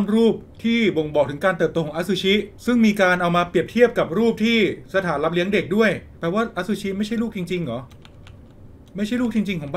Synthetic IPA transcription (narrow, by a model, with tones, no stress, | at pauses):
mɾuː˥˩p̚t̪ʰiː˥˩bo˧˩ŋbɔː˨˩k̚t̪ʰɯ˩˦ŋkaː˧nt̪ɤː˨˩p̚t̪oː˧kɔː˩˦ʔa˦˥su˧˥t͡ɕʰi˦˥sɯ˥˩ŋmiː˧kaː˧nʔa˧wmaː˧pɾi˨˩əp̚t̪ʰi˥˩əp̚ka˨˩p̚ɾuː˥˩p̚t̪ʰiː˥˩sa˧t̪ʰaː˩˦nla˦˥p̚li˦˥əŋde˨˩k̚du˥˩əjt̪ɛː˨˩waː˥˩ʔa˦˥su˧˥t͡ɕʰi˦˥ma˥˩jt͡ɕʰa˥˩jluː˥˩k̚t͡ɕi˧ŋt͡ɕi˧ŋlɔ˩˦ | ma˥˩jt͡ɕʰa˥˩luː˥˩k̚t͡ɕi˧ŋt͡ɕi˧ŋkʰɔː˩˦ba˥